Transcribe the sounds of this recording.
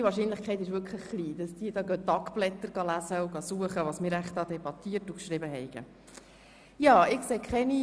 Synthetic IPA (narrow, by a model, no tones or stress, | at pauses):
iʋɑːɾʃinləχkʰχɛɪt̪ɪʃʋʏɾkʰχləχːliːd̥ɑsd̥iːədɑːɡœtːɑkb̥lɛt̪ːəɾɡ̥ɑlæzəuɡɑsuəχəʋɑsmɪːɾæχtɑːd̪ɛbɑt̪iːərtukʃɾɪbəɦɛɪɡ̥ə̰ | jɑːɪkseːkʰχɛni